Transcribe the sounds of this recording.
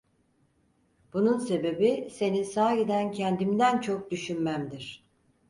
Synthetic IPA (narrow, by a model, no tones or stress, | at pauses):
b̥ununse̞be̞bise̞ninsaːjid̪æncʰɛnd̪imd̪ænt͡ʃʰo̞k̚d̪yʃynmæmd̪iɾ̥